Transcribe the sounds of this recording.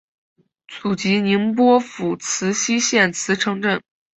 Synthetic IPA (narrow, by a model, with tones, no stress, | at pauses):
t͡sʰu˨˩t͡ɕi˧˥ni˧˥ŋp̬wɔ˥fu˨˩t͡sʰɹ̩˧˥ɕi˥ɕjɛ˥˩nt͡sʰɹ̩˧˥ʈ͡ʂʰɤ˧˥ŋʈ͡ʂə˥˩n